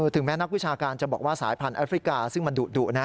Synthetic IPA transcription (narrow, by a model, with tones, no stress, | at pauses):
t̪ʰɯ˨˩˦ŋmɛː˦˥na˥k̚wi˦˥t͡ɕʰaː˧kaː˧nt͡ɕa˨˩bɔː˨˩k̚waː˥˩sa̰ː˩˦jpʰa˧nʔaː˦˥fɾi˦˥kaː˧sɯ˥˩ŋma˧nduː˨˩t̪̚duː˨˩t̪̚na˦˥